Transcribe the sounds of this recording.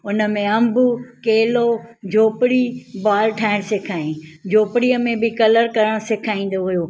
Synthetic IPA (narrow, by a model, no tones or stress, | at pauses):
ʊnə̆mẽɐ̃mbukeːlod͡ʑʱoːpɪɽibaːlʈʰaːɪɽ̃sekʰaːjũd͡ʑʱoːpɪɽiəmẽbɪkɐləɾkɐɾəɽ̃sekʰaːĩːn̆d̪oɦʊjoː